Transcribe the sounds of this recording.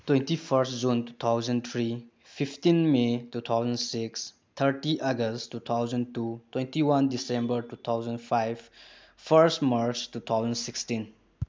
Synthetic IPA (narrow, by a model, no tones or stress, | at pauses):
twẽntifʰəɾstd͡ʒũntu̥t̪ʰawzə̃nt̪ʰɾi | fʰiftĩnmetut̪ʰawzə̃nsiks | t̪ʰəɾʈiʔaɡəsttːut̪ʰawzə̃ntutwẽntiwãndisẽmbəɾtut̪ʰawzə̃nfʰajb | fəɾstmaɾt͡ʃtut̪ʰawzə̃nsikstĩn